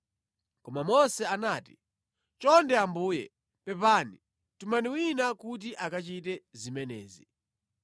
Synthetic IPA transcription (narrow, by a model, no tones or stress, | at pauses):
kɔmamɔsɛanaːti̥ | t͡ʃɔndɛambuːjɛ | pɛpaːni | tumaniwinakut̬iʔakat͡ʃit̬ɛzimɛnɛ̰ːzi